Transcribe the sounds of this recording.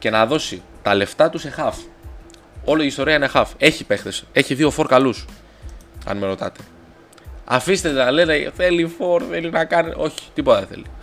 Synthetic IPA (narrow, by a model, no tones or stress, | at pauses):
ce̞nɐðo̞sit̪ɐle̞ft̪ɐt̪usexɐf | o̞loiːst̪o̞ɾiɐinexɐfe̞çipe̞xt̪e̞se̞çiðio̞fo̞ɾkɐlus | ɐ̰nmeɾo̞t̪ɐ̰t̪e̞̥ | ɐ̰fist̪e̞t̪enɐleneθe̞lifo̞ɾθe̞linɐkɐniʔo̞çi̥t̪ipot̪ɐðeθe̞̰li